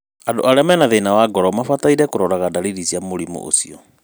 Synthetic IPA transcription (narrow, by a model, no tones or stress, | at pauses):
ando̰ʔaɾeamɛnaðenawaɡɔɾɔmafataiɾɛkoɾɔɾaɣadaɾiɾisiamoɾimo̰ʔo̰sḭɔ